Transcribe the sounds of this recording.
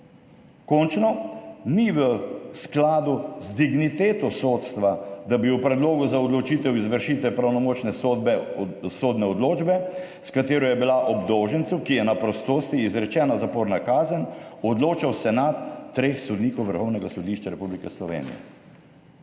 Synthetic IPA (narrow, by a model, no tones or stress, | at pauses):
kɔnt͡ʃnɔniʋəsklaːd̪uzd̪iɡnit̪eːt̪ɔsoːt̪st̪ʋad̪abiwpɾɛd̪loːɡuzaɔd̪lɔt͡ʃiːt̪ɛwizʋəɾʃiːt̪ʋɛpɾawnɔmoːt͡ʃnɛbɛsoːd̪nɛɔd̪loːd͡ʒbɛ | skat̪eːɾɔjɛbilaʔɔbd̪oːʒənt̪sukijɛnapɾɔst̪oːst̪iːzɾɛt͡ʃɛːnazapoːɾnakaːzənɔd̪loːt͡ʃawsɛnat̪ːɾeːxsɔd̪niːkɔwʋəɾxɔwnɛɡasɔd̪iʃt͡ʃaɾɛpublikɛslɔʋḛːnḭjɛ̰